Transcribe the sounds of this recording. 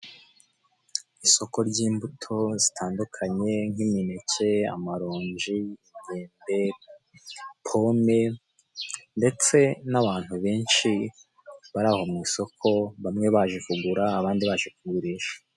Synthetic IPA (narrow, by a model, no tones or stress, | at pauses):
iso̞ko̞ɾɟiːmbutʰo̞zitʰaːndukʰaɲe̞ŋiminece̞a̰maɾoːɲʒiɡeːnbe̞ | pʰo̞me̞ | nde̞t͡se̞naβaːn̥huβe̞ːnʃi | βaɾaːho̞mŋiːso̞kʰo̞βamŋe̞βaːʒifuɡuɾaːβaːndiβaʒekuɡuɾiːʃḁ